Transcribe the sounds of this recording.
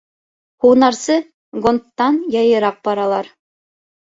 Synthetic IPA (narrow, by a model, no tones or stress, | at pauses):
huwnɑɾsɤ | ɡont̪ːɑnjɑjɤ̆ɾɑq̚bɑɾɑlˠɑɾ